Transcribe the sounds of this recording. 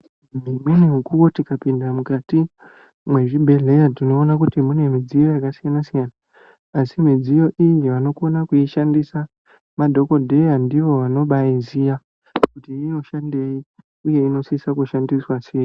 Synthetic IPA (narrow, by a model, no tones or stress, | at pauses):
mimwiniɦukuwotikapindamukati | mwe̞ʐibʱe̞ɮe̞jatino̞ːnak̬utimune̞mid͡zijo̞jakasijanasijanaː | simid͡zijo̞ʔiɲiʋano̞ko̞nakuiʃandisa | madʱo̞ko̞dʱe̞jandiʋo̞ʋano̞ɓaizija | kutiːno̞ʃande̞i | uje̞ino̞sisakuʃandiswaseji